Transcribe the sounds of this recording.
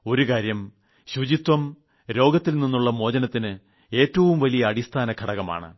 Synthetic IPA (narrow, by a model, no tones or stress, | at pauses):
o̞ɾukaːɾjɐm | ɕud͡ʑit̪wɐm | ɾo̞ːɡɐt̪ːilninːuɭːɐmo̞ːd͡ʑɐnɐt̪ːinɨ | e̞ːtːɐʋumʋɐlijɐːɽist̪ʰaːnɐkʰɐɽɐɣɐma̰ːɳɨ̰